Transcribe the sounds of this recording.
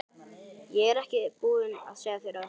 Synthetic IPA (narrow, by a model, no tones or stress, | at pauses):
jɛɣɛɾɛhcɪpuːðɪna̰ðsɛːðaθɪɾa